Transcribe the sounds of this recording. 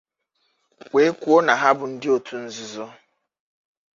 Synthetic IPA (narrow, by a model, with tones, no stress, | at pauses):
wʷe˨˦kʷu˦o˦na˨ɦa˦bʊ˨n̩˦dɪ˦o˨tʰu˦n̩˦zʊ˨zɔ˦